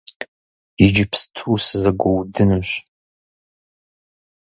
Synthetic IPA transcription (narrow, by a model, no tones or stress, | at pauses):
jɪd͡ʒɪpstʰuːsɨzɐɡʷowdɨnɨɕ